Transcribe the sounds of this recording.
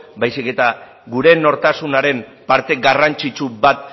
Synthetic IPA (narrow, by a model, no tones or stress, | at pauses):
bajsike̞t̪a | ɡuɾe̞no̞ɾt̪asunaɾe̞mpaɾt̪e̞ɡarant͡ʃit͡ʃubat̪̚